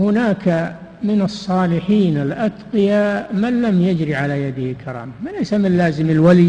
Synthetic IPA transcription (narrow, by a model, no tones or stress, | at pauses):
hʊnaːka | mɪnɑsˤːɑːlɪħiːnalʔat̪qɪjamanːamjad͡ʒɾiʕalajad̪ɪhɪlkʰɑɾˤɑ̰ːmmalajsamɪlːaːzɪmɪlwali